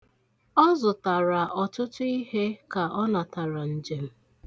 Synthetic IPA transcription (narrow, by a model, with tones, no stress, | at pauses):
ɔ˦zʊ˨ta˨ɾa˨ʔɔ˨tʊ˦tʊ˦i˦he˦ka˨ʔɔ˦na˨ta˨ɾa˨n̩˨d͡ʒe˦m̩˦